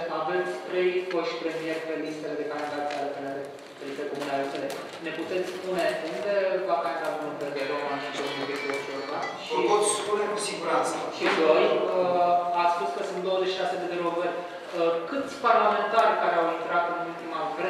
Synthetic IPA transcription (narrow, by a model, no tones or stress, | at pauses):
ʔavet̪sʲpɾeipoʃpɾemierpelist̪eled̪ekanad̪asalepenaɾe | pɾist̪ekomunalisele | neput̪et̪sʲpuneund̪evakat̪ad̪unəɾp̪eɾd̪eɾomanʃit̪omid̪et̪oʃoɾmaʃit̪ospunekusiɡuɾasʃid̪ojəat̪spuskəsunt̪̚d̪owəzeʃiʃased̪ed̪eɾoɡərʲ | kɨt̪sʲparlament̪arʲkaɾeawint̪ɾat̪ɨnult̪imakeɾ